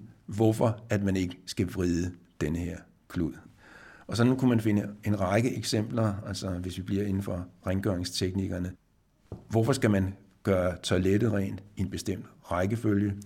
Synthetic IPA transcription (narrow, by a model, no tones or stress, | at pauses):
ʋɒfɒ̽æd̥mæne̝ɡ̥əsɡ̥æʋʁiðˠəd̥enəheɐ̰ | kʰluð̰ˠ | ɒ̽sɒ̽dn̩kʰumænfe̝nəe̝nʁɑ̈ɪɡ̥əʔeɡ̥sem̰b̥lɐælsɒʋe̝sʋib̥liɐ̰e̝nn̩fɒ̽ʁɛŋɡ̥ɶɐ̰eŋst͡sʰeɡ̥niɡ̥ɐnə | ʋɒfɒ̽sɡ̥æmæn | ɡ̥ɶːɐt͡sʰɒled̥əʁɛ̰ːn̥ienb̥e̝sd̥em̰d̥ʁɑ̈ɪɡ̥əføljə